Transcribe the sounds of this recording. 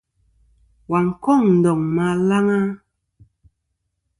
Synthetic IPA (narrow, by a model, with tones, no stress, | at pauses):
wa˨ŋ̩˨kɔ˦˨ŋn̩˨dɔ˨ŋma˨la˦ŋa˦